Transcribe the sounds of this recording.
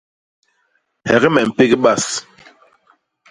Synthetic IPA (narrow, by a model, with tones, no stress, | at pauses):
hɛ˨ɣɛ˦mɛ˨m̩˨pe˦ɡi˦ɓa˦˨s